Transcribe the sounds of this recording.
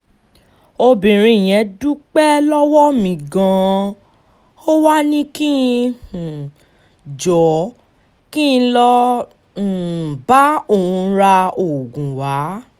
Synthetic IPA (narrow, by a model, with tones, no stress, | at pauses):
o˧bĩ˨ɾ̃ĩ˧˦˨j̃ɛ̃˨˦du˦k͡pɛ˦lɔ˦wɔ˦mĩ˨ɡã˧ | o˦wa˦nĩ˦ki˦˧hũ˨ | d͡ʒɔ˨˦ | kĩ˦˧lɔ˦˨ | ba˨˦o˦˨ũ˧˦ɾa˧o˨ɡũ˨wa˨˦